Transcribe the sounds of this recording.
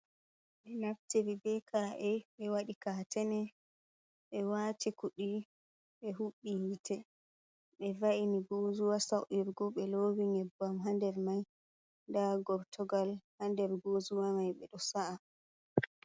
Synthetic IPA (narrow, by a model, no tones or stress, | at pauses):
ɓɛnaftiɾibɛkʰaʔɛɓɛwaɗikatɛnɛ | ɓɛwaːtikuɗi | ɓɛɦuɓːiitʰɛ | ɓɛvaʔiniɡozuwasawʔiɾɡɔɓɛlowiŋɛbːamɦandɛɾmaj | ndaɡɔɾtʰɔɡalhandɛɾɡozuwamajɓɛɗɔsaʔa